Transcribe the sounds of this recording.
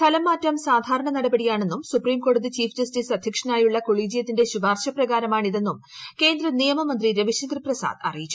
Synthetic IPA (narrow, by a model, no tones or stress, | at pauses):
t̪ʰɐlɐmːaːtːɐmsaːd̪ʱaːɾɐɳɐnɐɽɐbɐɽijaːɳe̞nːumsupriːmko̞ːɽuðit͡ɕiːfd͡ʑɐstiːsɐd̪ʱjɐkʂɐnaːjuɭːɐko̞ɭiːd͡ʑijɐt̪̬ːinde̞ɕuʋaːrɕɐprɐɣaːɾɐmaːɳiðe̞nːum | ke̞ːnd̪rɐnijɐmɐmɐnd̪riɾɐʋiɕɐŋɡrprɐsa̰ːd̪ɐ̰rijit͡ɕːu